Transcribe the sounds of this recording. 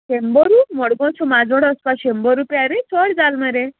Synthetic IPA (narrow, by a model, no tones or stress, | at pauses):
ɕembɔɾumɔɽɡɔ̃t͡sʰumad͡zɔɽɔspaɕembɔɾupaɾet͡sʰɔɽd͡zalməɾe